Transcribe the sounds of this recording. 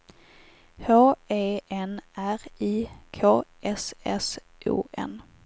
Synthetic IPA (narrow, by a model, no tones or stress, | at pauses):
hoːeːɛnæɾiːkʰoːɛsɛ̰s | ʔṵːʔɛ̰n